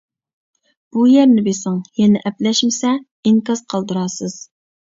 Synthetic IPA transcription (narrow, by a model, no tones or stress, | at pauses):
b̥ujɛɾnɪbesæŋjɛnɪʔɛplɛʃmɪsɛ | iŋkɑz̥qʰɑlˠd̪ɨɾɑːsɨz̥